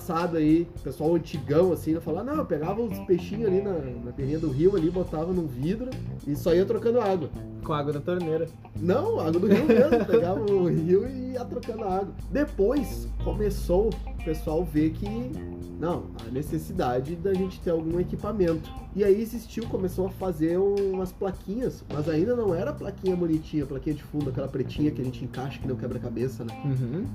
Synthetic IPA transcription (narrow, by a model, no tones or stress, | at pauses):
sad̪ʊaipesuawɐ̃nt͡ʃiɡɐ̃w̃ɐsĩelʊfalanɐ̃w̃peɡavɐʊ̃peʃĩɲʊalinɐnɐpelĩɲɐd̪ʊɦiwalibot̪avɐnʊ̃vid̪ɾʊɪsɔiɐt̪ɾokɐ̃nd̪ʊaaɡwɐ | kõaɡwɐnɐt̪oɾneɾɐ | nɐ̃w̃aɡwɐd̪ʊɦiwmezmʊpeɡavɐʊɦɦiwɪiɐt̪ɾokɐ̃nd̪ʊɐaɡwɐd̪epojskomesow | pesuawvekʰɪ | nɐ̃w̃ɐ̰nesesid̪ad͡ʒɪd̪aʒẽnt͡ʃɪ̥t̪eɾawɡũekipamẽnt̪ʊ̥ɪaiezist͡ʃiwkõmesowɐfazeɾũũmɐsplakʰĩɲɐsmɐzaĩnd̪ɐnɐ̃w̃ɛɾɐplakĩɲɐbunit͡ʃĩɲɐplakĩɲɐd͡ʒɪfũd̪ʊɐkɛlɐpɾet͡ʃĩɲɐkɪɐʒẽnt͡ʃɪẽŋkaʃɐkɪnɐ̃w̃kɛbɾɐkabesɐnɛɦ